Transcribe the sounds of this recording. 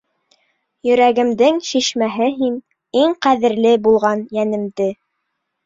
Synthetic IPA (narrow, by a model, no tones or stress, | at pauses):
jɵ̆ɾæɡɘ̆md̪ɘŋʃiʃmæɦɘɦin | iŋqæðɘ̆ɾlɘbulˠʁɑnjænɘ̆md̪ɘ